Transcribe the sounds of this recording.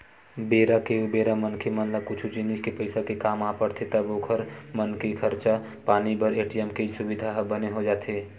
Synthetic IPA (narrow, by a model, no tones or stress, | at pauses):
beːɾakeubeːɾamənkʰemənləkʊt͡ʃʰut͡ʃɪnɪd͡ʒkepəɪsakekaːmaːpəɽt̪ʰet̪əboːkʰəɾmənkekʰəɾt͡ʃa | paːnibəɾeːʈijɛmked͡ʒsʊbɪd̪ʱaɦbəneɦod͡ʒaːt̪eː